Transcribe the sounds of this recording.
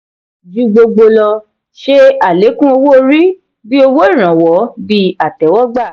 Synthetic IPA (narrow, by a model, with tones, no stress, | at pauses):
d͡ʒu˧˦ɡ͡bo˧ɡ͡bo˧lɔ˧ | ʃe˦a˨le˨˦kũ˦o˧wo˦o˧ɾi˦ | bi˦o˧wo˦i˦˨ɾ̃ã˨wɔ˨˦bi˧a˨tɛ˨˦wɔ˦ɡ͡ba˦˨